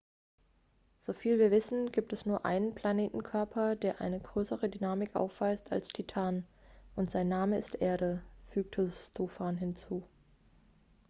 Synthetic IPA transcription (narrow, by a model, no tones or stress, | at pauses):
z̥oːfiːlviːɐvɪsn̩ɡiːp̚tɛsnuːɐʔa̰ɪnənpl̥aneːtn̩kʰœɐpʰɐdeːɐʔa̰ɪnəɡʁøːsəʁədynaːmɪkʔa̰ʊfv̥aɪsta̰lstʰitʰaːnʔʊntz̥aɪnːaːməɪstʔeːɐɾəfyːk̚tʰəstoːfaːnɦɪnt͡suː